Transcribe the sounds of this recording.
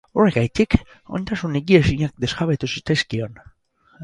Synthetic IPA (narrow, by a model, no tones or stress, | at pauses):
o̞ɾeɣajt̪ik | o̞jnt̪asuneɣiesiɲak̚d̪e̞zɣaβet̪usit̪eskio̞n